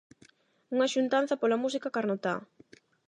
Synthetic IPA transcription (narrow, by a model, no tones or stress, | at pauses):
uŋɐʃunt̪an̟θɐpolɐmusikakaɾnot̪a